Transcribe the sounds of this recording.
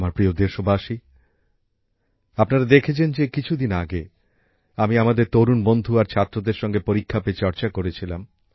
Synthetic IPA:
maɾpɾiod̪eʃobaʃi | apnaɾad̪ekʰet͡ɕʰend͡ʑekit͡ɕʰud̪inaɡe | amiamad̪eɾt̪oɾunbond̪ʱuaɾt͡ɕʰat̪ːɾod̪eɾʃɔŋɡepoɾikʰːapet͡ɕɔɾt͡ɕakoɾet͡ɕʰilam

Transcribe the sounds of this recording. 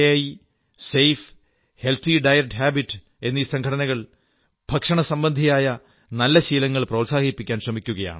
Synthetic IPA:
jaːji | sejf | he̞lt̪ʰiɖɐjɐk̚ʈːhaːbiʈːɨ | e̞nːiːsɐŋɡʱɐɽɐnɐɣɐɭ | b̥ʱɐkʂɐɳɐsɐmbɐnd̪ʱijaːjɐ | nɐlːɐɕiːlɐŋːɐɭproːsaːɡipːikʲːaːnɕrɐmikʲːuɣɐja̰ːɳɨ

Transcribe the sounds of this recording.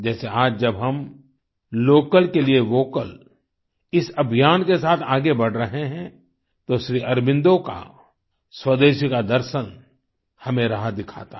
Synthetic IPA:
d͡ʒɛːseaːd͡ʒd͡ʒɐbɦɐm | loːkəlkelieʋoːkəl | ɪsɐbʱijaːnkesaːt̪ʰaːɡebɐɽ̤ɾɐɦeɦɛ̃ | t̪oʃɾiːʔɐɾbɪ̃nd̪oka̰ | swɐd̪eːʃkad̪ɐɾʃən | hɐmẽɾɐɦad̪ɪkʰa̰ːt̪a

